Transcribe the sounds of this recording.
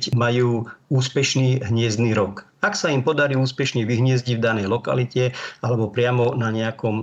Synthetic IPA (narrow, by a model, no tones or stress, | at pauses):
cmajuːuːspɛʃniːɦɲɪɛzd̪niːɾɔk | aksaimpɔd̪aɾiːuːspɛʃɲɛʋiɦɲɪɛzɟivd̪anɛjlɔka̰licɛalɛbɔpɾɪamɔnaɲɛakɔm